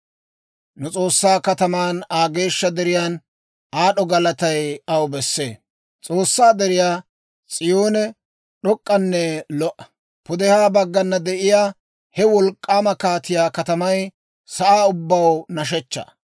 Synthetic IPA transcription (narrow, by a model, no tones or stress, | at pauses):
nʊt͡sʼo̞ːsːaːkɐt̪ɐmaːnaːɡe̞ːʃːɐd̪ɛɾɪjaːn | ʔaːɗɔɡɐlɐt̪ɐjɐwbɛsːḛː | t͡sʼo̞ːsːaːd̪ɛɾɪjaː | t͡sʼɪjoːnɛ | ɗɔkʼːɐnːɛlɔʔɐ̥ | pʊd̪ɛhaːbɐɡːɐnːɐd̪ɛʔɪjaː | hɛwɔlkʼːaːmɐkaːt̪ɪjaːkɐt̪ɐmɐj | sɐʔaːʊbːɐwnɐʃ̬ɛt͡ʃːɐ̰